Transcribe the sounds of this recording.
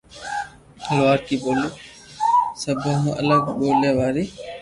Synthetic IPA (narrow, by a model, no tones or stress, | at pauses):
əlʋaːɾkiːɓoːliː | səbʱẽːɦũːʔə̰ləɡɓoːleːʋaːɾiː